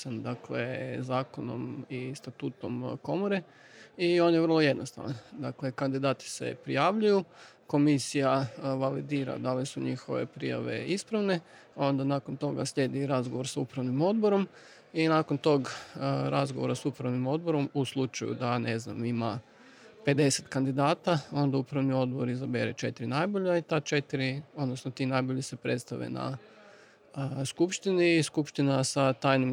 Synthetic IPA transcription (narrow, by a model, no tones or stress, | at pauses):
sand̪aklḛzaːkono̰mist̪at̪uːt̪omko̞moɾe | io̞njeʋər̩lˠo̞je̞d̪nost̪a̰ʋand̪akle̞kand̪id̪aːt̪i̥se̞̰pɾijaːʋʎuju | ko̞misijaʋalid̪iːɾa̰d̪alisuɲixo̞ʋḛpɾḭja̰ʋḛispɾaʋne̞ | o̞nd̪anakont̪o̞ɡa̰sʎe̞ːd̪iɾazɡoʋo̞ɾsaupɾaʋnimo̞d̪̚boɾo̞m | inakont̪o̞ɡɾazɡoʋoɾasupɾaʋnimo̞d̪̚bo̞ɾo̞muslˠut͡ʃajṵd̪anezna̰mima | pe̞d̪e̞set̪kand̪id̪aːt̪ao̞nd̪aupɾaʋnio̞d̪̚boɾizabeɾet͡ʃe̞t̪iɾinajboʎait̪at͡ʃe̞t̪iɾio̞d̪nosnot̪inajboʎise̞pɾet̪st̪aʋḛna̰ | skupʃt̪iniskupʃt̪inasat̪aːjnim